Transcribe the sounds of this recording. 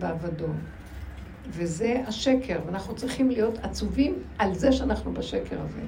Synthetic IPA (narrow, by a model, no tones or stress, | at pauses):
beavado̞ | veze̞aʃe̞kʰeʁveanaχnut͡sʁiχimlijo̞tat͡suvimʔalze̞ʃeanaχnubaʃeke̞ʁaze̞̰